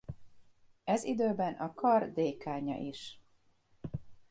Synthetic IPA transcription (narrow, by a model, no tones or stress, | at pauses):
ɛzid̪øːbɛnʔɒkɒrd̪eːkaːɲɒ̰ʔiʃ